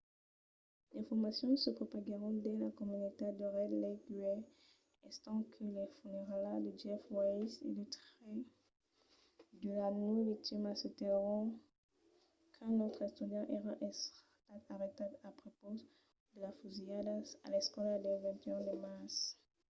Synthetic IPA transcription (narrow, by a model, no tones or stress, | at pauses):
lefɔʁmasjɔ̃səpχopaɡeʁɔ̃d̪elakɔmynot̪ed̪əʁɛd̪leɡyɛ | ɛst̪ɑ̃kʰəlefuneʁalad̪əd͡ʒɛfwaisḛlit̪χe | d̪əlanuvik̚t̪imaset̪eʁɔ̃ | kʰɛ̃nɔt̪χɛst̪yd̪jɑ̃ʔeʁaʔɛs | t̪aaʁet̪ad̪apχopo | d̪əlafuziad̪aa̰lɛskɔlad̪evɛ̃t̪jɔ̃d̪emas